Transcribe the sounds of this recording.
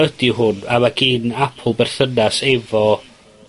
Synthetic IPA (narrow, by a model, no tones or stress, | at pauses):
ədɪɦʊnamaɡiːnapʰʊlˠbɛrθənasɛvɔ